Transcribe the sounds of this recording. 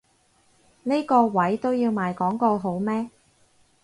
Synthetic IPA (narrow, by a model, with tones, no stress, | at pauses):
ne˥jkɔː˧wɐ˨˥jt̪o˥wjiː˧wmaː˨˧jkɔː˨˥ŋkɔː˧ɦo˨˥wmɛː˥